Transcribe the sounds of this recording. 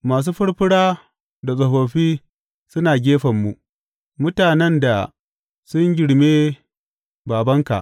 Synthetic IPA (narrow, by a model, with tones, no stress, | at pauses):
maː˨s̬uː˦ɸʊ˦ɽɸɪ˦ɽaː˦ | da˨sʼɐ˨ɸoː˨ɸiː˦ | sʊ˦naː˨ɡʲeː˦ɸɐ˨mːu˨ʔ | mʊ˦taː˨nɛ˦nda˨ | sʊ˦ɲɡʲɪ˨ɽmeː˦ | baː˨bɐ˦ŋka̰˨ʔ